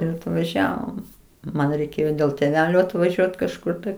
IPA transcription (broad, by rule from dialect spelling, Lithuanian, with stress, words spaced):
ɪr ɐtʋɐˈʒʲæːʋoːm ˈmɐn rʲɛɪˈkʲeːjoː dʲeːlˠ tʲeːˈʋʲæːlʲoː ɐtʋɐˈʒʲuɔt kɐʃˈkʊr tɐɪ